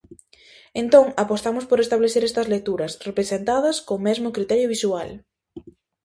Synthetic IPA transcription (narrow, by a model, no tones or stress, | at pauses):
ent̪oŋapost̪amʊspoɾest̪aβleθeɾɛst̪ɐzlek̚t̪uɾɐsrepɾesent̪að̞ɐskomɛzmʊkɾit̪ɛɾjʊβ̞isual